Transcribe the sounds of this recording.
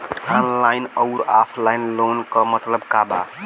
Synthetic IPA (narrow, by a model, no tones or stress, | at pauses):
ʈʰanlajnəʊɾapʰlajnlonkəmət̪ləbkaba̰